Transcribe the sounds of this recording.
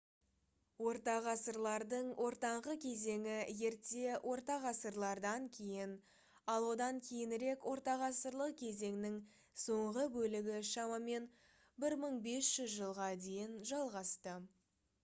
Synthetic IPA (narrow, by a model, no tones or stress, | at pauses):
wo̞ɾt̪ɑʁɑsəɾlˠɑɾd̪əɴwʔo̞ɾt̪ɑɴʁəkʲʰe̞ze̞ŋɪje̞ɾt̪e̞wʔo̞ɾt̪ɑʁɑsəɾlˠɑɾd̪ɑŋkʲʰe̞jɪn | ɑlˠwo̞d̪ɑŋkʲʰe̞jɪnɪɾe̞kwʔo̞ɾt̪ɑʁɑsəɾlˠəq̚kʲʰe̞ze̞ŋnɪŋ | so̞ɴʁəbɵlɪɡʲɪʃɑmɑme̞n | bɪɾməɴbe̞sʒ̥ʏzʒəlˠʁɑd̪e̞jɪnʒɑlˠʁɑst̪ə